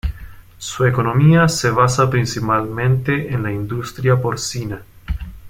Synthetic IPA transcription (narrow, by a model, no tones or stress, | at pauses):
suekonomiaseβ̞asapɾinsipalmẽnt̪eʔenlaind̪ust̪ɾjapoɾsina